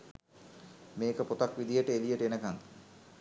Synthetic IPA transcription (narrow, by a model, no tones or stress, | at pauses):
meːkəpot̪akʋid̪ijəʈəelijəʈəenəkaŋ